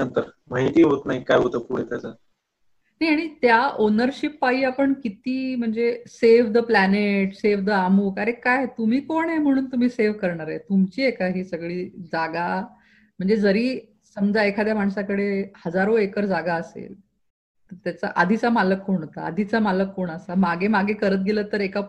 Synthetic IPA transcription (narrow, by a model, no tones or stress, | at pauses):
ənt̪əɾm̤aɦit̪iːɦot̪naɦikajɦot̪əpuɽ̤et̪jat͡sa | najaɽ̃it̪jaʔonəɾɕipːaɦiːapəɳkit̪iːm̤əɳd͡zeseʋ̤d̪əplæneʈseʋd̪əamuːkəɾekajt̪um̤iːkoɳem̤əɽ̃uːnt̪um̤iːseʋ̤kəɾɳaɾajt̪umt͡ɕiːekaɦiːsəɡɭiːd͡zaɡa | m̤əɳd͡zed͡zəɾiː | səmd͡zaekʰad̪jamaɳsakəɽehəd͡zaɾoekəɾd͡zaɡaəsḛl | t̪əɾt̪jat͡saʔad̪ʱit͡samaləkːoɳ̤̃ɦot̪a̰ːd̪ʱit͡samaləkːoɳ̃əsamaɡʱemaɡʱekəɾət̪̚ɡʱelət̪ːəɾeka